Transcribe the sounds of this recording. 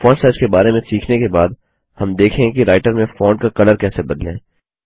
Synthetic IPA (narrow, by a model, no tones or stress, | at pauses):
fɔːɳsaːd͡ʒkebaːɾemẽsiːkʰnekebaːd̪ | hɐmd̪eːkʰẽkiɾaːɪʈəɾmẽfɔ̃ːɳɖkakɐləɾkɛːsebɐd̪lẽː